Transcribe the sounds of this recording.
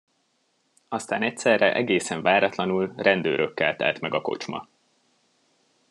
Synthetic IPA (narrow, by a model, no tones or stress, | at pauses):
ɒst̪aːnɛc̚sɛrɛʔɛɡeːsɛɱvaːɾɒt̪lɒnulrɛnd̪øːɾʔøkːɛlt̪ɛ̰lt̪mɛɡɒko̞̰t͡ʃmɒ̰